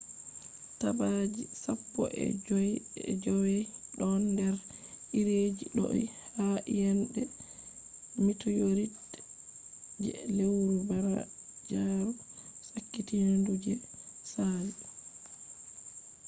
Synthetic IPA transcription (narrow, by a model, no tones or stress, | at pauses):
tabad͡ʒisapːɔ̰ʔɛ̰d͡ʒɔjɛ̰d͡ʒɔwɛɗɔndɛɾʔiɾed͡ʒḭɗɔ̰ʔhaʔijɛnɗɛ | mitʰɔjoɾit | d͡ʒɛ̰lewɾubaɾad͡ʒaɾusakːitindud͡ʒɛsaːli